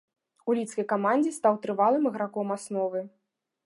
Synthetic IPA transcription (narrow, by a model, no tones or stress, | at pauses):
ulʲit̪skɐjkamanʲd͡zʲist̪awt̪ɾɨvalˠɨmɨɣɾakɔmasnɔvɨ